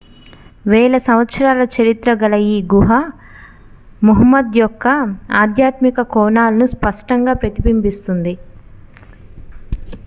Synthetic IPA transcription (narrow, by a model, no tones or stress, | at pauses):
ʋɛːlɐsɐmʋɐt̪sɐɾaːlɐt͡ʃɐɾit̪ɾɐɡɐlɐjiɡuɦɐ | muɦɐmːɐd̪jɔkːɐaːd̪ʱjaːt̪mikɐkɔːnaːlɐnuspɐʂʈɐŋɡaːpɾɐt̪ibimbist̪und̪i